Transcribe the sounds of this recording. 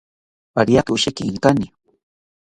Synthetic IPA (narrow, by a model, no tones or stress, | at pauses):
aɾijakɪʊʃekɪːŋkanɪ